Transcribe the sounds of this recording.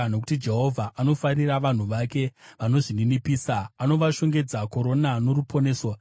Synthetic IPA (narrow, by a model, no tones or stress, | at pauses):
no̞ku̥tid͡ʒe̞ɦo̞vʱaʔano̞fariraʋan̤uʋake̞ʋano̞ʐininipiːsaːno̞ʋaʃo̞ŋɡe̞d͡zako̞ɾo̞nano̞ɾupʰo̞ne̞ːso